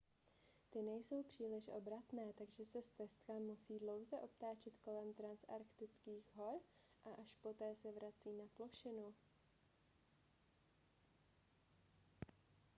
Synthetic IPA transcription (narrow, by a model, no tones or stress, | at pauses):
t̪ɪnɛjso̞wpr̝̥iːlɪʃʔo̰bɾat̪nɛːt̪aɡʒɛsɛst̪ɛst̪kamusiːdlo̞wzɛʔo̞pt̪aːt͡ʃɪt̪ko̞lɛmt̪ɾansʔaɾkt̪ɪt͡skiːxɦo̞ɾ | ʔaʔaʃpo̞t̪ɛːsɛvɾat͡siːnaploʃɪnu